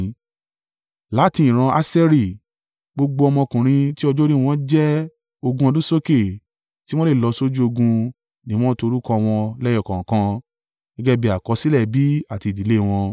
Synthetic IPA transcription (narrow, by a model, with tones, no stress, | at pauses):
la˨˦tĩ˧ĩ˨ɾ̃ã˧a˦sɛ˦ɾi˦˨ | ɡ͡bo˧ɡ͡bo˧ɔ˧mɔ̃˧kũ˨ɾ̃ĩ˧ti˦ɔ˧d͡ʒɔ˦ɾi˦w̃ɔ̃˦d͡ʒɛ˦ | o˧ɡũ˧ɔ˧dũ˦so˦ke˦˨ | ti˦w̃ɔ̃˦le˦˨lɔ˧so˦d͡ʒu˦o˧ɡũ˧ | nĩ˨˦ɔ̃˦to˧ɾu˦kɔ̃˧w̃ɔ̃˧lɛ˦jɔ˦˨kã˨kã˧ | ĩ˦ɡɛ˦bi˧˦a˨kɔ˧si˦lɛ˦˨bi˨˦a˦˨ti˧˨di˨˦le˦˧w̃ɔ̃˧